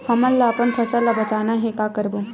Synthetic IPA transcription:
pʰɐmɐlːapənpʰɐsəlːabɐt͡ʃaːnaɦɛkaːkɐɾbo

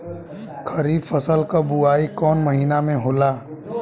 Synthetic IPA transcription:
kʰəɾiːfəsəlkabuaːikɔːnməɦiːnamẽɦoːlaː

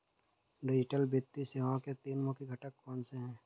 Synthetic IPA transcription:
ɾed͡ʒɪʈəlbɪt̪ːiseʋãket̪iːnmõkiɡʱəʈəkːɔːnseɦɛ̃ː

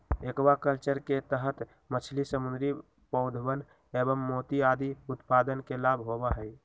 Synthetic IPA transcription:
ekbakəlt͡ʃəɾket̪əɦət̪ | mət͡ʃʰlisəmund̪ɾi | pəʊd̪ʱbən | ebəmːot̪iad̪iut̪pad̪ənkelabʱɦobəɦəj

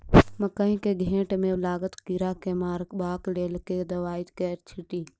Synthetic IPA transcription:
mɐkəɦĩkeɡʱẽːʈmẽʊlaːɡət̪kiɾakemaːɾkbaːkleːlked̪ɐʋaːit̪kɛːɾt͡ʃʰɪʈiː

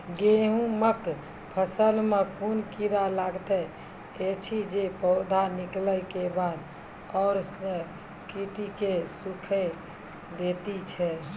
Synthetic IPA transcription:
ɡeɦũmək | pʰəsəlmekunkiɾalaɡt̪ɛ | et͡ʃʰid͡ʒepɔʊd̪ʱanikləkebad̪ | ɔːɾsə̃ | kiʈikesukʰɛ | d̪et̪it͡ʃʰɛ

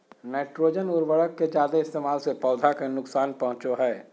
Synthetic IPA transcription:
nɛːʈɾoːd͡ʒənʊɾʋəɽəkːed͡ʒaːd̪eɪst̪eːmaːlsepɔːd̪ʱakenʊksaːnpɐɦʊ̃t͡ʃoɦɛː

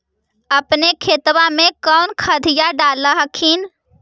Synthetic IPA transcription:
ɐpnekʰeːt̪wamẽkɔːnkʰaːd̪ʱɪjaɖaːlaɦəkʰiːn

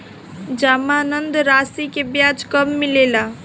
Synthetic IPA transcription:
d͡ʒaːmaːnənd̪ɾaːsikebjaːd͡ʒkəmːɪleːla

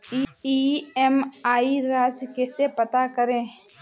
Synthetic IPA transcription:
iiɛmaːiɾaːzkeːsepət̪akəɾẽː

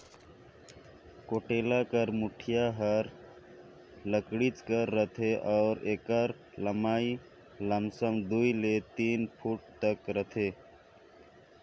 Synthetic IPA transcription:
koʈeːlakəɾmuʈʰijaɦəɾ | ləkɽit͡ʃkəɾːət̪ʰeʔɔːɾekəɾ | ləmaːi | ləmsəmd̪uilet̪iːnpʰuʈ̚t̪əkɾət̪ʰe

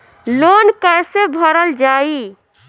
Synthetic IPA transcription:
lonkəjsebʱəɾəld͡ʒai

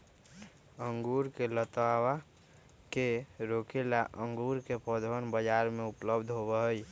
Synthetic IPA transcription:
əŋɡuɾkelət̪wawa | keɾokelaʔəŋɡuɾkepəd̪ʱʋənbəd͡ʒaɾmeupləbd̪ʱɦoβəɦəj

